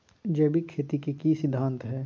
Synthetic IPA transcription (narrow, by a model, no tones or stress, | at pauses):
d͡ʒɛːbʱikʰeːt̪ikikisɪd̪ʱːãːnt̪ɦɛː